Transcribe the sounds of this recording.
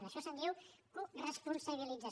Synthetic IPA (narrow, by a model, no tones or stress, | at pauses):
nəʃɔsənd̪iwkurəspunsaβ̞ilid͡za